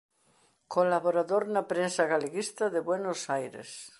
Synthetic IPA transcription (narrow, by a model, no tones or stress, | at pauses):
kolaβoɾaðoɾnapɾensaɣaleɣist̪aðeβwenosajɾḛs